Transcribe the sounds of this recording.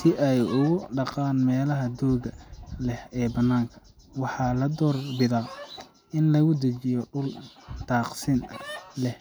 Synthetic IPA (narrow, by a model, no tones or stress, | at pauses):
sɪʔɛjʊɣʊɖɑqɑːnmɛːlɐɦɐd̪ɔːɣɐlɛhɛːbɐnːaːŋkʰɐ̥ | wɑħɑːlɐd̪ɔːrbɪðaː | ʔɪnlɐɣʊd̪ɐt͡ʃɪjɔɖʊlt̪aːqsɪnlɛh